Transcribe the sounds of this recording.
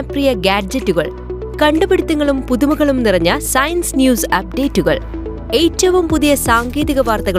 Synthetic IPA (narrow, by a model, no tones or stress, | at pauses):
ɐprijɐɡaːd͡ʑɐtːuɣɐ̰ɭ | kɐɳɖubeɽit̪ːɐŋːɐɭumpuðumɐɣɐɭumnirɐɲːɐsɐjɐnsnjuːsɐp̚ɖe̞ːtːuɣɐ̰ɭ | ejtːɐʋumpuðijɐsaːŋɡeːðiɣɐʋaːrt̪ɐɣɐɭ